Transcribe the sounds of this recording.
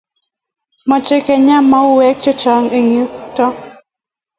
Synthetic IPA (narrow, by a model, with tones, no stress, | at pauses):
mɔ˨t͡ʃɪ˦kɛ˨ɲa˦mːa˦ʊ˦wɛ˦k̚t͡ʃɔ˦t͡ʃɔ˨ŋe˨ŋi˨u˦tɔ˦